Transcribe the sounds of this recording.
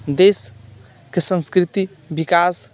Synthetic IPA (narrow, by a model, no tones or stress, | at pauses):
d̪es | kesə̃nskɾit̪i | bikas